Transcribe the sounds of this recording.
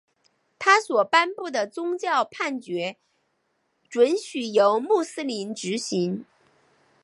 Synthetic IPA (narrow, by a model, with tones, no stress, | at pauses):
t̪ʰa˥swɔ˨˩pa˥npu˥˩d̪ə˩t͡sʊ˥ŋt͡ɕjɑ˥˧ʊpʰa˥˩nt͡ɕɥɛ˧˥ | ʈ͡ʂwə˧˥nɕy˨˩jo˧˥ʊmu˥˩sɹ̩˥li˧˥nʈ͡ʂɻ̩˧˥ɕi˧˥ŋ